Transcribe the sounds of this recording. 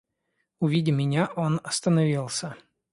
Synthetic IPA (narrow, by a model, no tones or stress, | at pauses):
ʊvʲidʲɪmʲɪnʲaʔo̞nɐst̪ənɐvʲilˠsʲə